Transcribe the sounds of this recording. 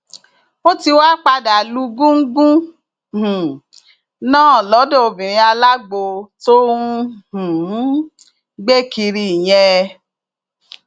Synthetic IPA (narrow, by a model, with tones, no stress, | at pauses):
o˦ti˧wa˦k͡pa˧da˨lu˨˦ɡũ˦ŋ̩˦ɡũ˦˨ | nãː˦˨lɔ˨˦do˦o˧bĩ˨ɾ̃ĩ˧˦a˧la˦ɡ͡bo˧to˦ũ˦hũ˨˦ | ɡ͡be˦ki˧ɾi˧˦˨j̃ɛ̃˧